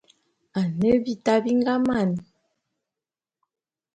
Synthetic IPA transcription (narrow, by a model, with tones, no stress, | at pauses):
a˨nə˦bi˦ta˦bi˦ŋɡa˦ma˦˨n˨